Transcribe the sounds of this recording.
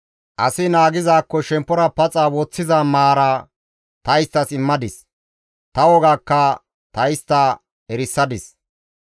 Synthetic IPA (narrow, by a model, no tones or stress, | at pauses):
ʔɐsɪnaːɡɪzaːkːɔʃɛmpːɔɾɐpɐt͡sʼaːwɔt͡sːɪzamaːɾaː | t̪ɐjst̪ːɐsɪmːɐd̪ɪs | t̪ɐwɔɡaːkːɐ | t̪ɐjst̪ːaː | ɛɾɪsːɐd̪ɪs